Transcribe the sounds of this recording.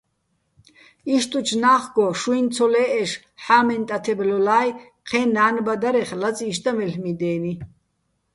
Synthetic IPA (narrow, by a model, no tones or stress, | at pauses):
iʃt̪ʼut͡ʃʰnaːχɡɔʃuint͡sʰɔlɛːʔɛʃ | ħaːmɛnt̪ʼat̪ʰɛblɔlaːj | qʰɛːnaːnbad̪aɾɛχlat͡sʼiːʃt̪ʼamɛɬmid̪ɛːni